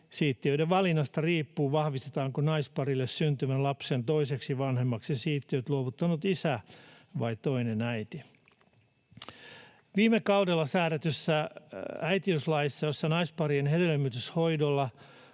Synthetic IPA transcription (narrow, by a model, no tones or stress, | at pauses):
siːt̪ːiøiɾeʋʋɑlinːɑst̪ɑriːpːuːʋɑhʋist̪et̪ɑːŋkonɑispɑrilːessynt̪ymælɑpsent̪oiseksiʋɑnhemːɑksesiːt̪ːiøt̪luoʋut̪ːɑnut̪isæ | ʋɑit̪oinenæit̪i | ʋiːmekɑudelːɑsæːɾæt̪ysːææit̪iøslɑjisːɑjosːɑnɑispɑrienhedelemːyt̪yshoidolːɑ